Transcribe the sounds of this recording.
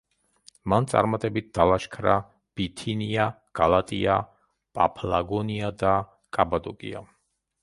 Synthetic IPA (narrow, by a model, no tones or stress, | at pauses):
mant̪sʼa̰ɾmat̪ʼɛbit̪̚d̪̥alaʃkʰɾa | b̥it̪ʰinia | ɡ̥alat̪ʼḭa | pʼapʰlaɡɔniad̪a | kʼabad̪ɔkʼḭa̰